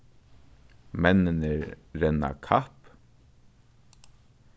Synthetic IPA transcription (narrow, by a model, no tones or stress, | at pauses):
mɛnɪnɛɾɾɛna̰kʰahp